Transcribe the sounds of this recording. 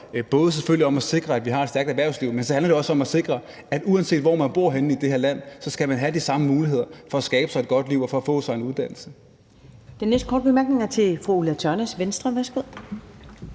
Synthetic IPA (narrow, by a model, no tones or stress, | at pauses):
b̥ɔ̽ːð̞̩ˠəs̬eføl̰liɒ̽mæse̝ɡ̥ʁɐæd̥ʋiɦɑ̈ed̥sd̥æɐɡ̥d̥æʋæɐʊsliʊ̰mensɒ̽hænlɐde̝ɒ̽səɒ̽mæse̝ɡ̥ʁɐ | æd̥uænse̝̰ːd̥ʋɒ̰ːmænb̥o̝ɐ̰ɦenn̩id̥e̝heɐ̰læn̰sɒ̽sɡ̥æmænɦæd̥isɑ̈məmuːliɦe̝ð̞̰ˠɐfɒ̽æsɡ̥ɛːb̥əsɑ̈ɪe̝d̥̚ɡ̥ɒ̽d̥liʊ̰ɒ̽fɒ̽ːfɔ̰ːsɑ̈ɪe̝nuðˠd̥æn̰l̩sə | d̥enːesd̥kʰɒ̰ːd̥̚bemæɐɡ̥ne̝ŋæɐt͡sʰe̝fʁuulæt͡sʰɒɐnæsʋensd̥ʁɐʋæɐsɡ̥o̝ð̰ˠ